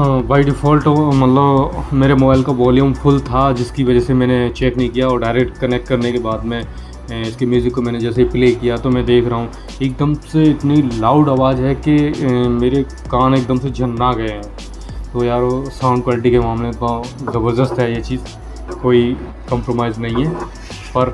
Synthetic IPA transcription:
baːɪɖɪfʰɔːlʈmɐt̪ləbmeːɾemoːbaːɪlkaʋɔːljũmpʰʊlt̪ʰad͡ʒɪskiʋɐd͡ʒɛsemɛ̃ːnet͡ʃeːknɐɦĩkijaɔːɾɖaɪɾek̚ʈkɐnek̚ʈkɐɾnekebaːd̪mɛ̃ | ɪskemjuːzɪkːomɛ̃ːned͡ʒɛːseipleːkijat̪omɛ̃d̪eːkʰɾɐɦũ | eːk̚d̪əmseɪt̪nilaːʊɖaːʋaːzɦɛkemeːɾe | kaːneːk̚d̪əmsed͡ʒʱɐnːaɡɐeɦɛ̃ː | t̪ojaːɾosãːʊ̃ɳɖkwaːlɪʈ̬ikemaːmlẽɪt̪nãzɐbəɾd̪əst̪ɦɛjet͡ʃiːz | koːi | kɐ̃mpɾoːmaːɪznɐɦĩɦɛː | pɐɾ

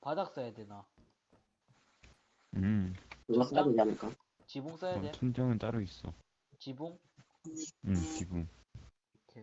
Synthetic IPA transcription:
padak̚s͈ajadena | ɯmkɯɡot͈aɯd͡ʑanɯka | t͡ɕiboŋs͈ajatʰundʰjʌŋɯnt͈aɾuis͈ʌ̰ | t͡ɕiboŋ | mt͡ɕibuŋ | kʰe

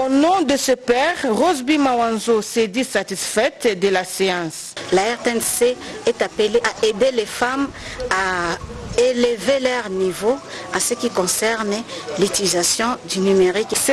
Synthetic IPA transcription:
onɔ̃d̪əsəpɛʁʁozbimawãnzosed̪isat̪isfɛt̪d̪əlaseɑ̃s | laɛʁt̪eɛ̃nseɛt̪apeleʔaed̪elefama | elevelœʁnivoãsəkʲikɔ̃sɛʁnlyt̪ilizasjɔ̃d̪ynymeʁiks

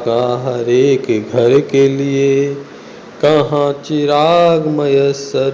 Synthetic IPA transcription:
kaɦɐɾeːkɡʱəɾkelie | kɐɦãt͡ʃɪɾaːɡməjəsəɾ

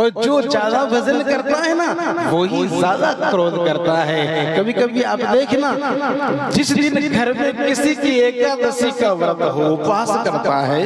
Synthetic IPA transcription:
ɔːɾd͡ʒoːt͡ʃaːd̪aʋɐzəlkɐɾt̪aɦɛnaʋoːɦizjaːd̪akɾoːd̪kɐɾt̪aɦɛːkɐbʱikɐbʱiaːpd̪eːkʰna | d͡ʒɪsɾinɡʱɐɾmẽkɪsikieːkːad̪ɐsikaʋɐɾd̪ɦopãːskɐɾk̪aɦɛː

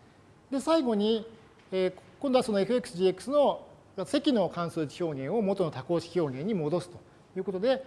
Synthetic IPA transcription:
d̪e̞saiɡo̞ɲ̟i | eːkõ̞nd̪oaso̞no̞e̞ɸɯ̟e̞kːɯ̥sɨʑiekːɯ̥sɨno̞ | mase̞kʲino̞kãsɨːd͡ʑi̥çʲo̞ːŋẽ̞ɰ̃o̞mo̞t̪o̞no̞t̪ako̞ːɕi̥çʲo̞ːŋẽ̞ɲ̟ːimo̞d̪o̞sɨ̥t̪o̞̥ | jɯ̟ːko̞t̪o̞d̪e̞

